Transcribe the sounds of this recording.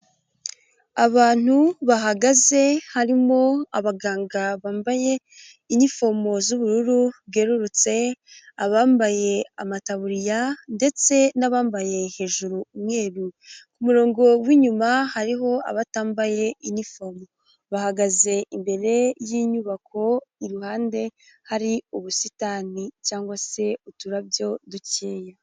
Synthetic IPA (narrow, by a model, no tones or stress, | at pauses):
aβaːn̥uβaɦaɡaze̞haɾimo̞aβaɡaːŋɡaβaːmbaje̞ | inifo̞mo̞zuβuɾuɾuβɡe̞ɾuɾut͡se̞aβaːmbaje̞amataβuɾijande̞t͡se̞naβaːmbaje̞he̞ːʒuɾuːmŋe̞ːɾukumuɾo̞ːŋɡo̞wiːɲumahaɾiɦo̞a̰βataːmbaje̞ʔinifo̞mo | βahaɡaze̞imbe̞ɾe̞jiɲuːβakʰo̞iɾuhaːnde̞ | haɾiuβusitanicaːŋɡwase̞utuɾabjo̞duceːja